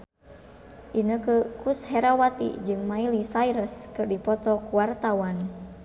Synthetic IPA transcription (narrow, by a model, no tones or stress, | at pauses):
ʔinəkəkushɛɾawat̪ḭd͡ʒɨŋmailisaiɾəskɨrdipɔt̪ɔkuwart̪awan